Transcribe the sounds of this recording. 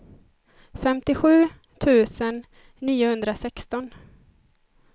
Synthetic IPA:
fɛmt̪ɪɧʉ̟ː | t̪ʰʉ̟ːsənː | iːʊhɵnd̪ɾasɛkst̪ɔn

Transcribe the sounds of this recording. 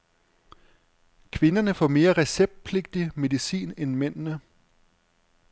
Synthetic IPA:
kʰʋe̝nɐnəfɒme̝ːɐʁɛseb̥̚d̥̚pʰle̝ɡ̥̚d̥ime̝ðˠisḭːnenmen̰nə

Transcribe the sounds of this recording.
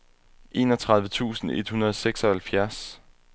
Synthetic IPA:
ʔe̝̰ːnɒt͡sʰʁɑ̈ð̞ˠʋət͡sʰṵːsn̩e̝d̥hunɐð̞ˠseɡ̥sɒ̽hælfjæɐs

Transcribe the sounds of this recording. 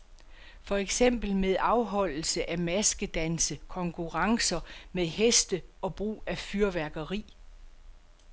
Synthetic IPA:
fɒ̽eɡ̥sem̰b̥l̩meðˠɑ̈ʊɦɒ̽l̰l̩səʔæmæsɡ̥əd̥ænsəkʰɒ̽ŋkʰuʁɑ̈ŋsɐmeðˠhesd̥əɒ̽b̥ʁṵːæfyɐʋæɐɡ̥ɐʁḭː

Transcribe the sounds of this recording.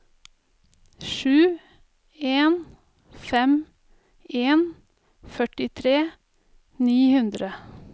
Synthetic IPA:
ʃʉː | eːn | fɛm | eːn | fœʈɪt̪ʰɾeː | niːhʉnd̪ɾə

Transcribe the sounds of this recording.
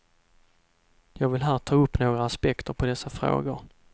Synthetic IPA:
jɑːɡvɪlɦæːɾʈ̪ʰɑːɵpːnoːɡɾaːspɛkt̪ʰəɾpʰɔd̪ɛsːafɾo̰ːɡʊɾ

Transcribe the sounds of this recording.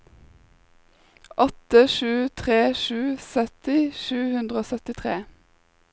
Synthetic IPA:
ʔɔt̪əʃʉːt̪ʰʁeːʃʉːsœt̪ɪʃʉːhʉnd̪ʁəoːsœt̪ɪt̪ʰʁeː

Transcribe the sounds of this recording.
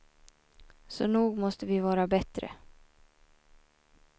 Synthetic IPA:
sɔnuːɡmɔst̪əvɪvɑːɾabɛt̪ɾə̰

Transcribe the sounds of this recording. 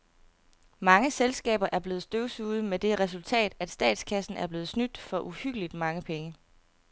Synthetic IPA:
mɑ̈ŋəselsɡ̥ɛ̰ːb̥ɐʔæɐb̥le̝ːð̞̩ˠsd̥øʊsuːð̞̩ˠmed̥e̝ʁɛs̬ult͡sʰɛ̰ːd̥æd̥sd̥ɛ̰ːd̥skʰæsn̩æɐb̥le̝ːð̞̩ˠsnyd̥fɒ̽ʔuhyɡ̥əlid̥mɑ̈ŋəpʰeŋə

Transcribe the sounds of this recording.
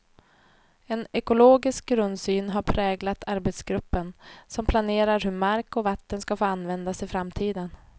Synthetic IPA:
ɛnɛkʊloːɡɪsk̚ɡɾɵnd̪syːnɦaɾpʰɾɛːɡlat̪ʰaɾbet̪sɡɾɵpːənsɔmpʰlaneːɾaɾhɵɾmaɾkɔvat̪ːənskafoːanvɛnd̪asɪfɾamt̪ʰiːd̪ən

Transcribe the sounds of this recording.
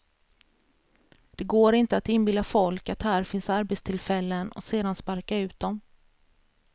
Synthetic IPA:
d̪̥ɛɡoːɾɪnt̪əat̪ɪnbɪld̪afɔlkat̪hæːɾfɪnsaɾbɛt̪st̪ʰɪlfɛlːənɔ̰seːd̪anspaɾkaʉ̟ːt̪̚d̪ɔm

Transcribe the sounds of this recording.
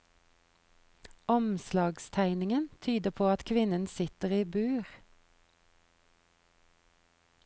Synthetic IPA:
ɔmslɑːɡst̪ʰæɪnɪŋənt̪ʰyːd̪əpʰoːɑt̪kʰʋɪnənsɪt̪əʁiːbʉːʁ

